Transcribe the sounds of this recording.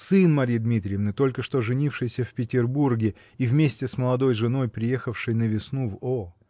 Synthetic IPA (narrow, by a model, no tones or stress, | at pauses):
sɨnmɐɾʲijd̪mʲit̪ɾʲɪjəvnɨt̪o̞lʲkəʂt̪o̞ʐɨnʲifʂɨjsʲəfʲpʲɪtʲɪrburɡʲɪ | ivmʲesʲtʲɪsməlˠɐd̪o̞jʐɨno̞jpɾʲɪje̞xəfʂɨjnəvʲɪsnuvo